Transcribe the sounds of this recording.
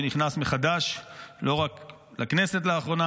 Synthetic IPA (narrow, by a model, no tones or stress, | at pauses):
niχnasmeχad̪aʃlo̞ʁak | laknese̞t̬laːχʁo̞na